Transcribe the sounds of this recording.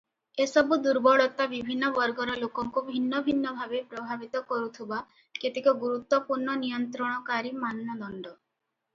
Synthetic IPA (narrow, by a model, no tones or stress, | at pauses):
esɔbud̪uɾbɔɭɔt̪abibʱinːɔbɔɾɡɔɾɔlokɔŋkubʱinːɔbʱinːɔbʱabepɾɔbʱabit̪ɔkɔɾut̪ʰiba | ket̪ikɔɡuɾut̪wɔpuɾɳɔnijɔnt̪ɾɔɽ̃ɔkaɾimannɔd̪ɔɳɖɔ